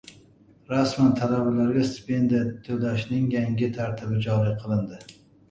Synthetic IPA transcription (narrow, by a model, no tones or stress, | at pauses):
ɾasmant̪ʰalabalaɾɡʲast̪pend̪at̪ʰːød̪aʃnɪŋjaŋɡʲɪt̪ʰaɾt̪ʰɪbɪd͡ʒɒɾiqʰɨlˠɨnd̪ɪ